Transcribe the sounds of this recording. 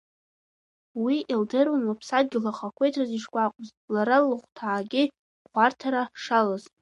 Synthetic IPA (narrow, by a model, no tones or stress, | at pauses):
wiʔildɨrwanlapʰsad̚ɡʲɪlaχakʷʰejtʰraziʂkʷʼaqʷʼz | laɾalɨχʷtʰaːɡʲɪ | χʷartʰaɾaʂalazʼ